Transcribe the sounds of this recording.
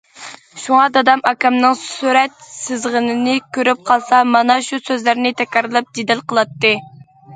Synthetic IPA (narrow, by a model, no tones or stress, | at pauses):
ʃuŋɑd̪ɑd̪ɑmɑkʲɛmnɨŋsyɾɛt̪̚sɪzʁənɪnɪkʲʰøɾyp̚qʰɑlˠsɑmɑnɑʃusøzlæɾnɪt̪ʰɛkʲɾɨɾɨlˠɨp̚d͡ʒed̪ɪlqəlˠɑt̪ːɨ